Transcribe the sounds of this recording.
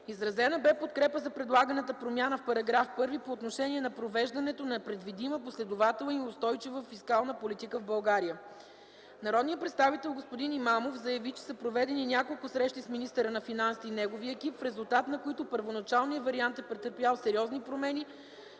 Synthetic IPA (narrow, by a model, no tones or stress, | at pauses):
izɾɐzɛnəbɛpot̪kɾɛpəzɐpɾɛd̪lˠaɡənət̪əpɾomʲjanəfpɐɾɐɡɾafpɤɾvipoːt̪noʃɛnʲiɛnɐpɾovɛʒd̪ɐnɛt̪onɐpɾɛd̪vid̪iməposlɛd̪ʊvat̪ɛlˠniʊst̪ɔjt͡ʃivəfiskalˠnəpolit̪ikəvbɐlˠɡaɾijə | nɐɾɔd̪nijət̪pɾɛt̪st̪avit̪ɛlˠɡospod̪inimamofzɐjɐvit͡ʃɛ̥səpɾovɛd̪ɛninʲjakolˠkʊsɾɛʃt̪isminist̪əɾənɐfinansiːnɛɡoviəɛkipfɾɛzulˠt̪at̪nɐkoit̪opəɾvonɐt͡ʃalˠniəvɐɾiant̪ɛpɾɛt̪əɾpjalˠsɛɾiɔznipɾomɛni